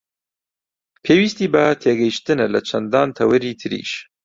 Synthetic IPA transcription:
pʰeːwiːst̪iːbɐt̪ʰeːɡɐjiʃt̪ɨnalɐt͡ʃʰɐnd̪ɑːnt̪ʰɐwɐɾiːt̪ʰɨɾḭːʃ

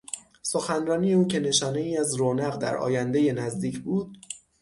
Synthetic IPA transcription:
so̞xænrɒːniːje̞uːcʰe̞ne̞ʃɒːne̞iːæzɾoːnæɣd̪æ̰ɾʔɒ̰ːjænd̪e̞je̞næzd̪iːcʰbuːd̪̚

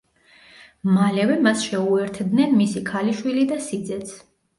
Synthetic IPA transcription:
malɛvɛmasʃɛuɛɾt̪ʰd̪nɛnmisikʰaliʃwilid̪asid̪zɛt̪sʰ

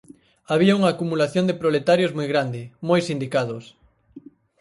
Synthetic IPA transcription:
aβiauŋaːkumulaθjond̪epɾolet̪aɾjozmojɣɾand̪ɪmojsind̪ikaðʊs

